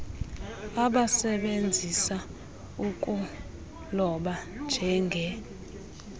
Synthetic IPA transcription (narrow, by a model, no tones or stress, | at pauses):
aɓasɛɓend͡zʱisa | ukʼu | lɔɓand͡ʒʱɛŋɡʱɛ